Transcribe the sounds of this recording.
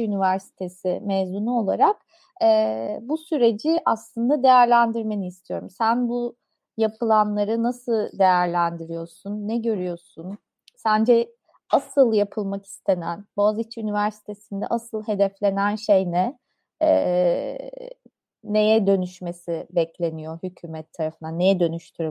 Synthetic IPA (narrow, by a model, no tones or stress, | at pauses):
ynivæɾsi̥t̪ʰe̞sɪmɛːzmunuo̞lˠaɾak | ɛːbusyɾe̞d͡ʒiʔaslˠɯnd̪ad̪e̞jæɾlʲænd̪iɾme̞niːst̪ʰijo̞ɾumsænbu | japʰɯlˠanlˠaɾɯnasɯlˠd̪e̞jæɾlʲænd̪iɾijo̞ɾsunːɛɟø̞ɾyjo̞ɾsun | sænd͡ʒɛ | asɯlˠjapʰɯlˠmaki̥st̪ʰenænbozit͡ʃʰynivæɾsi̥t̪ʰe̞sind̪ɛ̰ʔasɯlˠɦe̞d̪ɛflʲe̞nænʃejnɛ | ɛ̰ | ne̞jɛd̪ø̞nyʃme̞sibɛclʲe̞nijo̞hycʰyːmɛt̪ʰːaɾafɯnd̪anejɛd̪ø̞nyʃt̪ʰyɾy